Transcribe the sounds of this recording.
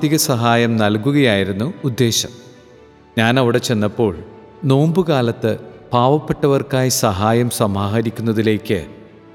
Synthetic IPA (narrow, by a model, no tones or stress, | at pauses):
iɣɐsɐɦaːjɐmnɐlkuɣɐjaːjiɾunːuud̪ːe̞ːɕɐ̰m | ɲaːnɐʋiɽe̞t͡ɕe̞nːɐpːo̞ːɭ | no̞ːmbɨkaːlɐt̪ːɨpaːʋɐpːe̞ʈːɐʋɐrkaːjisɐɦaːjɐmsɐmaːɦɐɾikʲːunːɐðile̞ːkːɨ̰